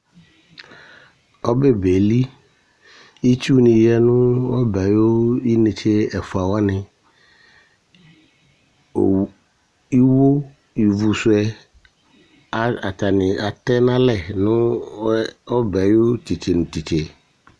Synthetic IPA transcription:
ɔ˦be˦be˨li˦ | i˦t͡ʃu˦nɪ̃˨jjɛ˦nʊ̃˦wɔ˦bɛ˨jo˦i˦nẽ˨t͡ɕʰe˦ɛ˨fu˨a˨wa˦nɪ̃˨ | i˦wo˦ | i˨vu˨sʊ˨˦ɛ˦ | a˨a˨t̪a˨nɪ̃˨a˨t̪ɛ˦nã˦lɛ˨nʊ̃˦ | ɔ˦bɛ˨jo˦ti˨t͡ɕe˨nʊ̃˨t̪i˨t͡ʃe˨

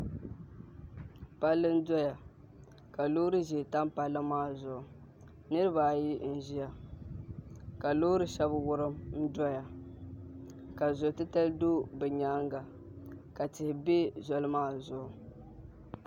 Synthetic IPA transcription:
pa˦lːɨ˦n̩˦dɔ˦ja˨ | ka˨loː˦ɾɨ˦ʒɪ˨ta˦mpa˨lːɨ˦maː˦˨zʊ˨ʔʊ˨ | nɨ˦ɾɨ˦ba˨ji˦n̩˦ʒi˦ja˨ | ka˨loː˦ɾɨ˦ʃɛ˦bwʊ˦ɾɨ˦mn̩˦dɔ˦ja˨ | ka˨zʊ˨tɨ˦ta˦ldoː˦bɛ˨ɲaː˦ŋɡa˨ | ka˨tɪ˨hɪ˨be˦zɔ˦lɨ˦maː˦˨zʊ˨ʔʊ˨

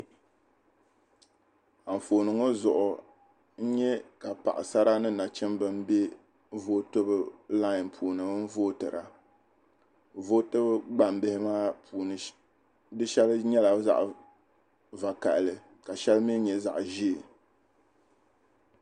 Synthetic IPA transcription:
a˨ɱ̩˨foː˨nɨ˨ŋo˦zʊ˨ʔʊ˨ | n̩˦ɲɛ˦ka˨pa̰˨ʔɪ̰˨sa˦ɾa˦nɨ˦na˨t͡ʃɛ˦mbɨ˦m˦be˦ | vo˦tɨ˦bɨ˨la˦˨npʰuː˨nɨ˨˦m̩˦voː˦tɨ˨ɾa̰˨ | vo˦tɨ˦bɨ˦ɡ͡ba˨mbɪ˦hɪ˦maː˦pʰuː˨nɨ˨ | dɨ˦ʃɛ˦lɲɛ˦la˨za̰˨ʔ | va˨ka̰˨ʔlɨ˨ | ka˨ʃɛ˦lmi˦ɲɛ˨za̰˨ʔʒi˦e˨

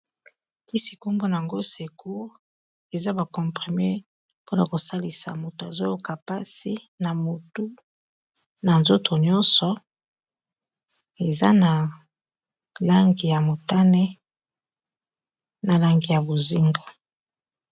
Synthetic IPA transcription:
i˦si̥˨ku˦mbo˦na˨ŋɡo˦se˨kʰu˦ | e˨za˦ba˨kɔ̃˨mpʁi˨me˦ | po˦na˨ko˨sa˦li˨sa̰˨mo˨to˨a˨zo˦lo˦ka˨pa˦si˦ | na˨mo˨tu˦ | na˨nzo˦tʰo˨ɲɔ˦nsɔ˨ | e˨za̰˦na˨ | la˦ŋɡi˨ja˨mo˨ta˦nɛ˦ | na˨la˦ŋɡi˨ja˨bo˨zi˦ŋɡa˨

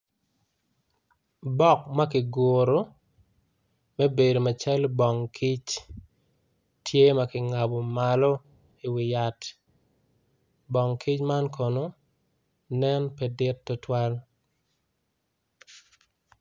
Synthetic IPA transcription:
bɔ˦k̚ma˦kɪ˨ɡoɾo˨˦ | mɛ˦be˨do˨ma˨t͡ʃɛ˦lbɔ˨ŋkʰi˦t͡ʃ | tʰje˦ma˦kɪ˨ŋa˨bo˨ma˨lo˦ | i˨wɪ˨ja˨t | bɔ˨ŋkʰi˦t͡ʃma˦nkɔ˨no˨˦ | nɛ˦npɛ˦dɪ˦tːo˦twa˦l

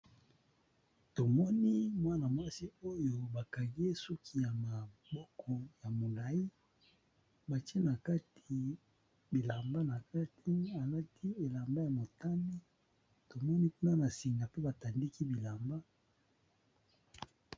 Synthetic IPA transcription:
to˨mɔ˦ni˦mwa˦na˨mwa˦si˦o˦jo˦ba˨ka˨ŋɡe˦su˦kʰi˦ja˨ma˨bɔ˦kʰɔ˨ja˨mo˨la˨ji˦ | ba˨t͡ʃi˦e˦na˨ka˦tʰi˨ | bi˨la˨mba˦na˨ka˦tʰi˦a˨la˦tʰi˦e˨la˨mba˦ja˨mo˨ta˦mi˦ | to˨mɔ˦ni˦ku˦na˦na˨si˨ŋɡa˨pe˦ba˨ta˨ndi˦ki˦bi˨la˨mba˦

